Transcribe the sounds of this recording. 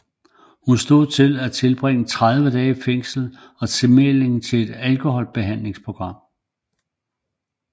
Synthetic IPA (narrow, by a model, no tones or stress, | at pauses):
hunsd̥o̝ð̰ˠt͡sʰe̝læt͡sʰe̝lb̥ʁeŋ̰ət͡sʰʁað̞ˠʋəd̥ɛːifeŋ̰sl̩ | ɒ̽t͡sʰe̝mele̝ŋt͡sʰe̝le̝d̥ælkʰo̝hɒ̽l̰b̥e̝ɦæn̰le̝ŋspʰʁo̝ɡ̥ʁɑ̈m̰